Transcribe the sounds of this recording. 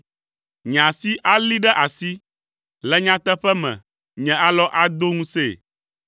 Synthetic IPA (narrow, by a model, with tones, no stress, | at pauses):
ɲ˨ã˨si˦ʔa˦li˦ɖɛ˦ʔa˨si˦ | lɛ˦ɲã˦t̪ɛ˦ɸɛ˦mɛ̰̃˨ | ɲɛ̃˨a˦lɔ˦ʔa˦d̪o˦ŋũ˦se˦˨